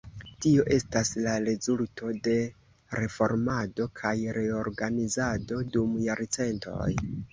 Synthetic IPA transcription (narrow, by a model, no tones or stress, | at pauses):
tio̞ʔe̞staslaɾe̞zultʰo̞de̞ | ɾe̞fo̞ɾmado̞kʰajɾe̞oɾɡanizado̞dumjaɾt͡se̞ntʰo̞̰j